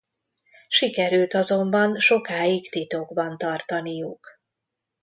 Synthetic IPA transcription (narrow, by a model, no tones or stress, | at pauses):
ʃikɛɾylt̪ɒzo̞mbɒnʃo̞kaːjikt̪it̪oɡbɒnt̪ɒrt̪ɒnijuk